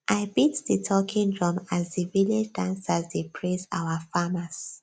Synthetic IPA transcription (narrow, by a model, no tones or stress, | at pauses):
ʔaɪbitðitʰɔkʰĩŋdɹɔ̃mazðiviled͡ʒdãnsazðepʰɹẽsaʊwafamas